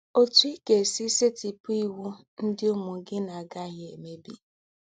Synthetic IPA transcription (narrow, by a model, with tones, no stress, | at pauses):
o˦tu˦i˦ke˨si˦se˦ti˨pu˦i˦wu˦ | n̩˦dɪ˦ʊ˦mʊ˨ɡɪ˦na˨ɡa˦ɦe˨me˦bi˦